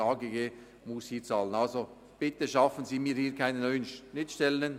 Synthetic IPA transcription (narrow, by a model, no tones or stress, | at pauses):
ɑːɡeɡe | mʊshiːt͡sɑːlənɑlzo | b̥ɪt̪əʃɑfənziːmiːɐhiːkʰaɪnənːœʏənʃɪtʃtɛləən